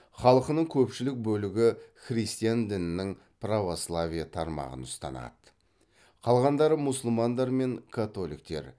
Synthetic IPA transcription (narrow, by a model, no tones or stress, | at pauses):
χɑlˠəqənəɴkʲʰɵpʃɪlɪk̚bɵlɪɡʲɪχrijst̪ijand̪ɪnɪnɪŋ | pʰravo̞slˠavʲijat̪ʰɑɾmɑ̰ʁə̰nʊst̪ɑ̰nɑ̰d̪ə | qʰɑlˠʁɑnd̪ɑɾəmʊsəlˠmɑnd̪ɑɾme̞ŋkʰat̪o̞lḭk̚t̪e̞̰ɾ